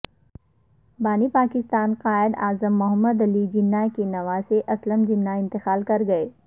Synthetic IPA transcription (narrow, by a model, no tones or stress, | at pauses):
baːnipaːkɪst̪aːnqaːɪd̪aːzəmːʊɦəmːəd̪ɐlid͡ʒɪnːakenɐʋaːseʔɐsləmd͡ʒɪnːaɪ̃nt̪ɪxaːlkɐɾɡɐeː